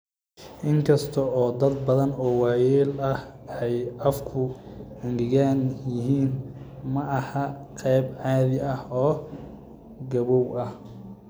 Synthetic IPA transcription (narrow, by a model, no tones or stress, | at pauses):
ʔɪŋkʰɐst̪ʰɔɔːd̪ɐd̪̚bɐðɐnɔːwɑːjɛːlɐh | ɛjɐfkʰʊɐnɡɪɣaːnjɪɦiːnmɐɐhɐqʰɛjbʕɑːðɪɐhɔː | ɡɐβɔwɐh